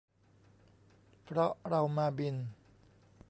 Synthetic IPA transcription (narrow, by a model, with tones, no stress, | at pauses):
pʰɾɔ˦˥ɾa˧wmaː˧bi˧n